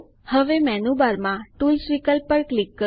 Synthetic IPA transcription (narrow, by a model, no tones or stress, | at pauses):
həʋemɛnubaɾmãʈulsʋikəlpːəɭklikːə